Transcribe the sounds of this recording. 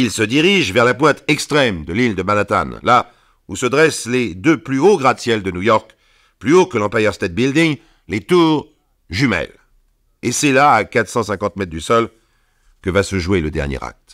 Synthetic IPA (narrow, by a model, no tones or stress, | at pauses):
ilsəd̪iʁiʒvɛʁlapwɛ̃t̪ɛkst̪χɛmd̪əlild̪əmanat̪a̰nlʔa | usəd̪ʁɛsled̪øplyoɡʁad̪sjɛld̪ənujɔʁk | plyokəlɑ̃pajœʁst̪ɛt̪̚bild̪iŋ | let̪uːʁ | ʒymɛ̰l | esɛlaːkat̪χsɑ̃sɛ̃kɑ̃t̪mɛt̪̚d̪ysɔl | kəvasəʒueləd̪ɛ̰ʁnjḛʁa̰k̚t̪